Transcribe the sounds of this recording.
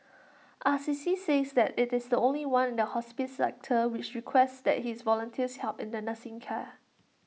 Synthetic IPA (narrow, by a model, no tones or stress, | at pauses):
ʔasisisesdɛtɪtɪsdəõnliwãnɪ̃ndəhɔspɪtsɛ̰k̚tʰəwɪt͡ʃɹikʰwɛstsdɛ̰t̚hɪsvɔlə̃ntʰiəshɛlpɪ̰̃ndənəsɪ̃ŋkʰɛ